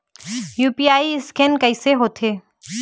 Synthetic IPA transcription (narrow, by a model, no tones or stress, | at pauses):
juːpiaːiɪskɛnkɐɪseɦoːt̪ʰeː